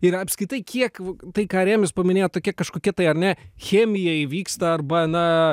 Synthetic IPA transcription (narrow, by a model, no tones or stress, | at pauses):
ɪɾɐpʲskʲɾʲɪt̪ɐɪkʰʲiɛkt̪ɐɪkɑːɾʲæːmʲɪspɐmʲɪnʲeːjot̪t̪oːkʲɛkɐʃkoːkʲɛt̪ɐɪɐɾnʲɛxʲæːmʲɪjɛʋʲiːkst̪ɐɐrbɐnɐ